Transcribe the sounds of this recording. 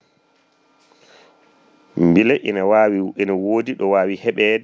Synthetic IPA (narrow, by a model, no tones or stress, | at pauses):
mbilɛʔḭnawawiinawoːdiɗɔwaːwihɛɓɛdɛ